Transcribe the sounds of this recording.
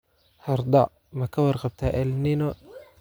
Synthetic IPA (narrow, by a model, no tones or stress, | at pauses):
hɑɾd̪ɑʕ | mɐkʰɐwɑrqɑb̚t̪ʰaʔɛlnɪnɔ